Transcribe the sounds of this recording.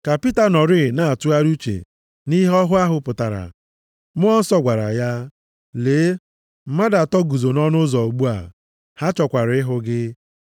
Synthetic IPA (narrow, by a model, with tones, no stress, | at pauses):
ka˨pi˦ta˨nɔ˨ɾɪ˦˨na˨a˨tu˦a˦ɾu˦t͡ʃḛ˨ | ni˦ɦɔ˦ɦʊ˦a˦ɦʊ˦pʊ˨ta˨ɾa̰˨ | mʊ˦ɔ˦n̩˦sɔ˦ɡʷa˨ɾa̰˨ja˦ | leː˨˦ | m̩˦ma˦da˨tɔ˦ɡu˨zo˨nɔ˦nʊ˦zɔ˨o˨ɡ͡bu˦a̰˨ | ha˦t͡ʃɔ˨kʷa˨ɾɪ˦ɦʊ˦ɡɪ˦